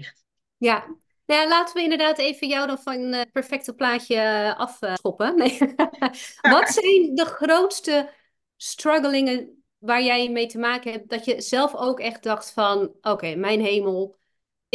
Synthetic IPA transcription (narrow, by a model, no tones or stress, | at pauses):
ja | njalaːtəʋəɪndəɹdaːtejvənjawdɔnfɔnnpɛɹfɛk̚təplaːsjəʔɑfopən | ʋɔtsɛjndəχrowtstə | strɔɡəlɪŋə | ʋaːɹjɛjmejtəmaːkəɦɛp̚dɔtjəz̥ɛlˠfoːkɛxt̚dɑxtfɔnʔoːkejmɛjnɦejməlˠ